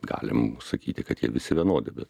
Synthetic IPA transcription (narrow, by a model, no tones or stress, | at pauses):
ɡɑ̰ːlʲɪ̰msɐkʲiːt̪ʲɪkɐt̪jiɛʋʲɪsʲɪʋʲɛnoːd̪ʲɪbʲɛt̪